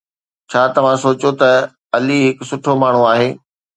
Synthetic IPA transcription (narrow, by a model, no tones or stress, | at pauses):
t͡ɕʰaːt̪ɐʋ̤ãsoːt͡ɕot̪ɐ | ɐliɦɪksʊʈʰomaːɳ̤uaːɦeː